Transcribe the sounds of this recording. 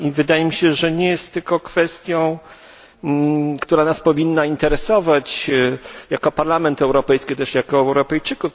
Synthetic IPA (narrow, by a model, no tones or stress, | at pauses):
ivɘd̪ajɛmʲiɕɛʐɛɲɛjɛst̪ːɘlkɔkfɛst̪ʲjɔ̃w̃ | kt̪uɾanaspɔvʲinːaint̪ɛɾɛsɔvat͡ɕ | jakɔpaɾlamɛnt̪ɛwɾɔpɛjskʲit̪ɛʂjakɔɛwɾɔpɛjt͡ʂɘkuf